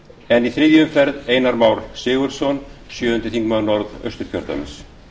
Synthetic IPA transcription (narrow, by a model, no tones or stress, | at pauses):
ɛniθɾɪːðjʏmfɛɾðeːjnaɾmaːwɾsɪːɣʏɾ̥sɔnsjœːðʏnt̪ɪθiŋkmaðnɔɾðœ̰ɥst̪ʏɾ̥çʰœ̰ɾt̪a̰m̰s